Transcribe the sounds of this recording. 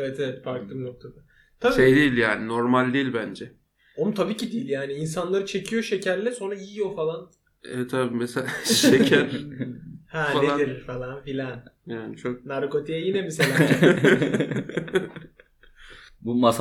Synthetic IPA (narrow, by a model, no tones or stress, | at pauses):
evɛt̪ʰevɛt̪faɾklˠɯmnok̚t̪ʰad̪a | t̪ʰabʃiejd̪ejilʲjaːninoɾmalʲd̪ejilʲbænd͡ʒɛ | onut̪ʰabiːcid̪ilʲjaːniːnsanlˠaɾɯt͡ʃʰe̞cʰijo̞ʃecʰæɾlʲɛso̞nɾaijijo̞falˠan | ɛt̪ʰabiːmeseaʃekʰæɾ | hænaeaiɾfalˠanfilʲanjaːnɪt͡ʃʰok̚naɾko̞t̪ʰijajinɛmeselʲaː | bumas